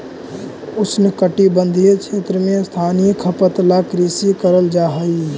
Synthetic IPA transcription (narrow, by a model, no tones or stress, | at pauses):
ʊsnɪkəʈibə̃nd̪ʱijet͡ʃʰeːt̪ɾəmẽst̪ʰaːnijəkʰəpət̪lakɾiːsikəɾəld͡ʒaːɦəi